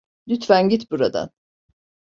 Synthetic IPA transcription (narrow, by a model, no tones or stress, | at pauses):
lyt̪fænɟit̪buɾad̪a̰n